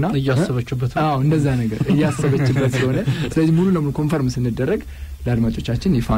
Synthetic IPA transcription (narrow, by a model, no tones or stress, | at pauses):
nːaɨjːasəβət͡ʃːubːət̪awɨnd̪əzːahnəɡəɾɨjːɛasːəβət͡ʃːɪbːət̪sɨləho̞nəsɨləzːihmulunəmulukʰo̞nfoɾmɨsɨnːɨd̪ːərːəɡ | ləad̪mat͡ʃʼo̞t͡ʃːat͡ʃːɪnjɛfa